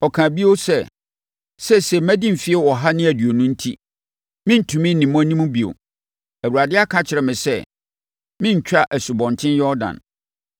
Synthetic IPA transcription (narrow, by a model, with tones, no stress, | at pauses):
ɔ˨kʰã˨bi˦o˦sɛ˦ | sɛ˦sɛ˨mæ̃˦dĩ˦m̩˨fi˦ɛ˦wɔ˨ɦa˦nɪ̃˦æ˨dɥo˨nũ˦n̩˦tʰi˦ | mɪ̃˦n̩˦tʰũ˨mɪ̃˦nĩ˨mɔ̃˦nĩ˦mũ˦bi˨o̰˨ | æ˨wu˨ɾa˨dɪ˦a˦kʰã˦t͡ɕʰɪ˨ɾɛ˨mɪ̃˨sɛ̰˦˨ | mɪ̃˦ɲ̩˨t͡ɕᶣa˦ʔæ˨su˨bɔ̃˨ntʰɪ̃˦njɔ˦ɾdã̰˨n